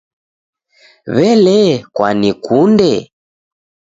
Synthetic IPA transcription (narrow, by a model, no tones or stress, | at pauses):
βɛlɛkwanikundɛ